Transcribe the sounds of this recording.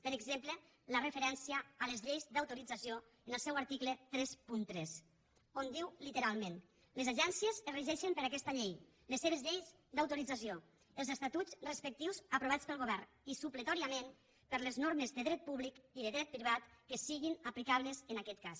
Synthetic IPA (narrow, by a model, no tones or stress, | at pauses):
pəɾəɡzemplə | lərəfeɾɛnsiəːləzʎejzd̪awt̪uɾid͡zasio | ənəlˠsɛwaɾt̪iklət̪ɾɛspunt̪ɾɛs | ond̪iwlit̪əɾalˠmẽn | lezaʒɛnsiəzəriʒɛʃəmpəɾakɛst̪aʎej | lesːeβ̞ezʎejz | d̪awt̪uɾid͡zasio | əlˠzəst̪at̪ut͡srespək̚t̪iwzapɾuβat͡spəlˠɣoβɛɾn | isuplət̪ɔɾiamen | pəɾləznoɾməzðəðɾɛt̪̚puβlikiðəðɾɛt̪̚pɾiβat̪kəsiɣinaplikaβləzənakɛt̪̚kas